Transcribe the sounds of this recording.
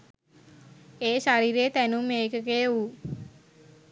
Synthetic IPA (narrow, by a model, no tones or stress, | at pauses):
eːʃaɾiːɾeːt̪ænumːeːkəkeju